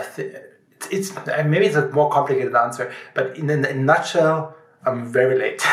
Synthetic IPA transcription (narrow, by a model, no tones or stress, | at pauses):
ɪθɪ | ɪtsɪtsãmeɪbiɨtsəmɔɹkʰɑ̃mplɪkʰeɪɾɨdæ̃nsə˞b̥ʌɾɪ̃nɨ̃ɪ̃nːat͡ʃəl | ãɱvɛɹilḛɪt